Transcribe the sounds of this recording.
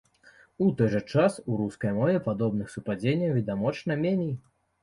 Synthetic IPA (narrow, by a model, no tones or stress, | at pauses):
ut̪ɔjʐɛt͡ʂasuɾuskɐjmɔvʲɛpad̪ɔbnɨxsupad͡zʲenʲːɐwvʲid̪amɔt͡ʂnɐmʲenʲej